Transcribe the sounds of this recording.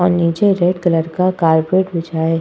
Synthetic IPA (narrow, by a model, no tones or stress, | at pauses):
ɔːɾniːd͡ʒeɾeɖkələɾkakaːɾpɾeːʈbɪd͡ʒaːe